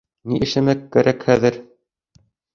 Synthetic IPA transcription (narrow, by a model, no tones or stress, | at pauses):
niʔɘ̆ʃɘmækːæɾʔækhæðɘɾ